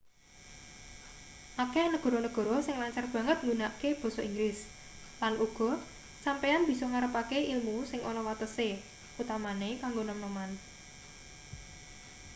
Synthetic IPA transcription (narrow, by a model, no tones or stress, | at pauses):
ʔakɛnəɡ̥ɔ̤ɾɔnəɡ̥ɔ̤ɾɔsɪŋlaɲt͡ʃarb̥ä̤ŋət̪̚ŋɡunaʔkeb̥ɔ̤sɔiŋɡlɪs | lanʔuɡ̥ɔ̤ | sampeanb̥i̤sɔŋaɾəpakeʔilmusɪŋʔonɔwat̪əse | ʔut̪amanekaŋɡonɔmnoman